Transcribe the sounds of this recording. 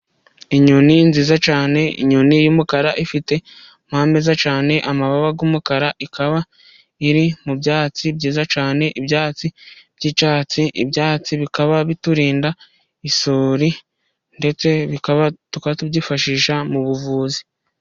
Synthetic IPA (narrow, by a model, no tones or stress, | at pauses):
iɲoninziːzat͡ʃaːne̞ḭɲonijumukaɾaʔifite̞ | mhaːmezat͡ʃaːne̞ʔamaβaβaɡuːmukaɾaʔikaβa | iɾimubɟaːt͡sibɟiːzat͡ʃaːne̞ʔibjaːt͡sib̥ɟiːt͡ʃaːt͡siʔḭbjaːt͡siβikaβaβituɾiːnda | isoɾi | nde̞t͡se̞βikaβatukaβatubɟifaʃiːʃamuβuvuːzi̥